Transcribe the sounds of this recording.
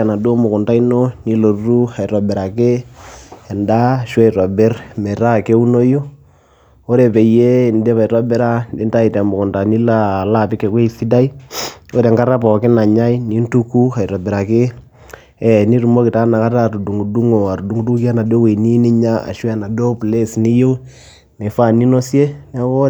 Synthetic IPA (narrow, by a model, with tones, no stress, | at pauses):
na˨do˦mʊ˨kʊ˨nta˦i˦no˦ni˦lo˨rru˦ha˨i˨ɾɔ˨bɪ˨ɾa˨kɪ˦ | ɛ˨nda˦ʃwɛ˦i˨ɾɔ˨bɪ˦rmɛ˨ɾa˦ke˦u˦no˦jo˦ | o˦ɾe˨pe˨je˦˨nde˦βa˨i˨ɾɔ˦bɪ˦ɾa˦de˦nta˦i˨tɛ˨mʊ˨kʊ˨nta˨ni˦la˦˨la˦pɪ˦kːɛ˨kwe˦i˨si˦da˦i˦o˦ɾe˨ŋka˦ɾa˦pɔ˨kɪ˦na˨ɲa˦i˦ni˦ntu˦ku˦ha˨i˨ɾo˨be˨ɾa˨kɪ˦ | ɛ˨ni˦ɾu˨mo˦kɪ˨ta˦na˨ka˦ta˦tu˨du˨ŋɡu˨du˦ŋo˨a˨ɾu˨du˨ŋɡu˦du˦ka˦na˨do˦we˨ni˦ni˦ɲa˦a̰˨ʃwa˨na˨do˦ple˦sni˦jo˦ | nɛ˨fa˦˨ni˦no˦sje˦nɛ˦o˦